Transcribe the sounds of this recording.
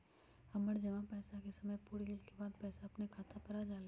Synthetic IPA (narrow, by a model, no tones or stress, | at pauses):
hɐməɽd͡ʒɐʋãpɛːsakesɐməjpuːɾɡɪlkebaːd̪pɛːsaɐpnekʰaːt̪ʰapɐɾad͡ʒaːle